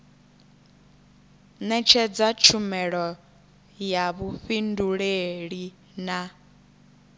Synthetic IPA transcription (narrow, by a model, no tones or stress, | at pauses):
nɛt͡ʃʰɛd͡zat͡ʃʰumɛɺɔ | jaβuɸinduɺeɺi | na